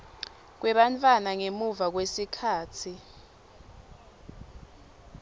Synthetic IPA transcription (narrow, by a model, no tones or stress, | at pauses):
k̬wɛɓantʼwanaŋemuvak̬wesikʰaːt͡sʰi